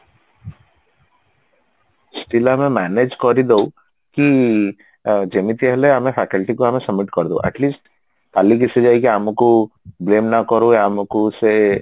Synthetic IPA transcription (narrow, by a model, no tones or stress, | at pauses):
sʈilaːmemaned͡ʒkɔɾid̪o | ki | d͡ʒemit̪iɦɛleaːmefʰɛkəlʈikuaːmesɐmːiʈkɔɾd̪owʔɛ̰ʈliːsʈ | k̪alik̬ised͡ʒajkiaːmukubleːmnakɔɾuaːmukuse